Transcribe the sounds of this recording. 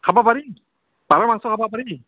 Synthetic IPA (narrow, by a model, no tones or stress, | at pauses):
kʰabapaɾi | paɾamaŋsɔkʰapapaɾi